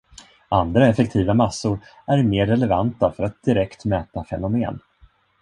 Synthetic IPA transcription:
and̪ɾaɛfɛk̚t̪ʰiːvamasːʊɾ | æɾmeːɾːɛlɛvant̪afœɾat̪̚d̪̥ɪɾɛkt̪mɛːt̪afɛ̰nʊmḛːn

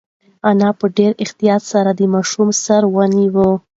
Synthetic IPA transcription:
anɑpəɖeɾɪxt̪ijɑt̪saɾad̪əmɑʃumsaɾwəniwə

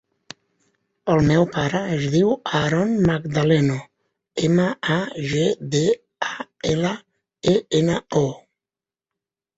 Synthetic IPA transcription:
əlˠmɛwpaɾəəzðiwaɾɔnmaɡd̪alɛno | eməaʒed̪e | aɛlə | eenəo

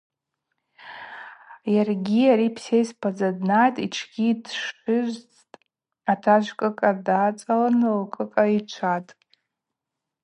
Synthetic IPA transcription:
jarɡʲiaɾipʰsejspʰad͡zadnatʼiʈ͡ʂʰɡʲiːdʂʊzʷt͡stʼ | atʰaʒʷkʼɨkʼadat͡sʼalanɨlkʼɨkʼait͡ʃʷʰatʼ

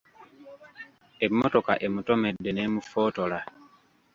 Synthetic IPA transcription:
emːotoka̰ʔemutomedːenemufoːtola

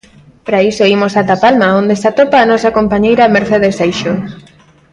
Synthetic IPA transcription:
pɾaisoimosat̪apalmaond̪esat̪opaːnɔsakompaɲejɾameɾθeðesajʃo

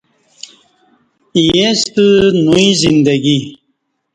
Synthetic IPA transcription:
ijẽst̪ɨnuizind̪aɡi

